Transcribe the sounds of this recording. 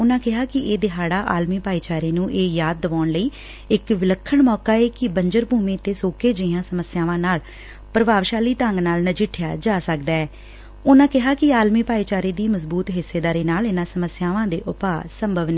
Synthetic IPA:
ʊnãːkɪɦaːkɪeːd̪ɪɦaːɽaːʔaːlmiːpaːiːt͡ʃaːɾeːnũːʔeːjaːd̪̚ːəʋaːɳləiː | ɪkʋɪləkʰːəɳmɔːkaːeːkɪbəɲd͡ʒəɾbʱuːmẽːt̪ːeːsoːkeːd͡ʒɪjãːsəməsɪjaːʋãːnaːl | pɾəbaːʋʃaːliːt̪əŋɡnaːlnəd͡ʒɪʈʰɪjaːd͡ʒaːsəkd̪aːɛː | ʊnãːkɪɦaːkɪaːlmiːpaːiːt͡ʃaːɾeːd̪iːməzbuːt̪ɦɪsːeːd̪aːɾeːnaːlɪnãːsəməsɪjaːʋãːd̪ḛːʔʊpaːsəmbʱəʋneː

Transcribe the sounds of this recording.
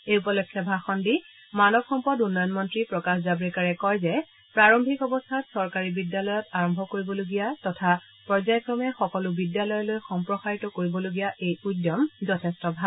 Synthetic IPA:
eupɔlɔkʰːjɔbʱaxɔndi | manɔbxɔmpɔdunːɔjɔnmɔntɹipɹɔkaxzabɹikaɹɛkɔjzɛ | pɹaɹɔmbʱikɔbɔstʰatsɔɹkaɹibidːalɔjɔtaɹɔmbʱɔkoɹibɔloɡijatɔtʰa | pɹɔzajkɹɔmɛxɔkɔlʊbidjalɔjɔlojxɔmpɹɔxaɹitɔkoɹibɔloɡijaʔejudjɔmzɔtʰɛstɔbʱal

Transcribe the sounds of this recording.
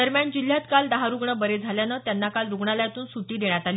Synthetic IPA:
əɾmjaɳd͡ʑil̤ːjat̪kald̪əɦaɾuɡɳəbəɾed͡zʱaljanət̪janːakalɾuɡɳalajt̪uːnsuʈiːd̪eɳjat̪ali

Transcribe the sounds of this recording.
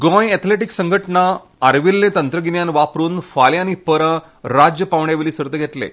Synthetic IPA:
ɡɔ̃jɛt̪ʰleʈiksəŋɡʱəʈɳa | aɾʋilːẽt̪ənt̪ɾəɡinjanʋapɾuːnfaljanipəɾə | ɾad͡ʑjəpaʋɳjaʋeliːsəɾt̪əɡʱet̪lḛ

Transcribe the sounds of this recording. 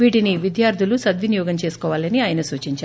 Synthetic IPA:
ʋiːʈiniʋid̪jaːɾd̪ʱilusɐd̪ʋinjɔːɡɐmt͡ʃe̞ːsu̥kɔːʋaːlɐniaːjɐnɐsuːt͡ʃiɲt͡ʃaː

